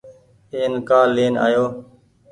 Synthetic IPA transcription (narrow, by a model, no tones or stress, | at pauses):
eːnkaːleːna̰ːjoː